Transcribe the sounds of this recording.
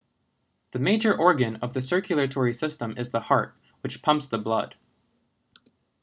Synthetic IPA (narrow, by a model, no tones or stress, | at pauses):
ðɨmeɪd͡ʒə˞ʔɔɹɡɨ̃nʌvðɨsɜ˞kʰjl̩ˠɨtʰɔɹisɪstə̃mɨzðəhɑɹt̚ | wɨt͡ʃpʰʌ̃mpsðəblʌd̥